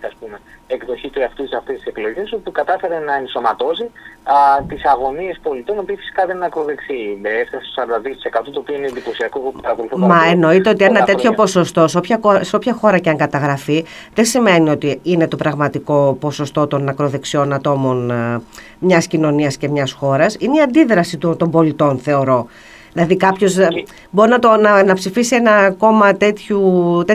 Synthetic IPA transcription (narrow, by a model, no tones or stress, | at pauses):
ɐspumeekðo̞çit̪uɐft̪ut̪isɐft̪est̪i̥seklo̞ʝesop̪ikɐt̪ɐfe̞ɾenɐenso̞mɐt̪o̞si | t̪isɐɣo̞nie̞spo̞lit̪o̞nopiːfi̥si̥kɐðennɐkɾo̞ðeksieefθɐsest̪osɐɾɐd̪ɐðiot̪i̥se̞kɐt̪ut̪oːpioinend̪ipo̞siɐkoot̪pɐɾɐpoluθimɐeno̞it̪e̞o̞t̪ienɐt̪e̞t̪ço̞po̞so̞st̪o̞seopçɐkoseo̞pçɐxo̞ɾɐceɐŋɡɐt̪ɐɣɾɐfi | ðe̞sime̞nio̞t̪iine̞t̪o̞pɾɐɣmɐt̪iko̞po̞so̞st̪o̞t̪o̞nːɐkɾo̞ðe̞ksio̞nɐt̪o̞mo̞n | mɲɐscino̞niɐsce̞mɲɐsxo̞ɾɐsineiɐnd̪iðɾɐsit̪ut̪o̞mbo̞lit̪o̞nθe̞oɾo̞ | ðilɐðikɐpço̞z | bo̞ɾinɐt̪o̞nɐnɐpsifisienɐːko̞mɐt̪e̞t̪çut̪e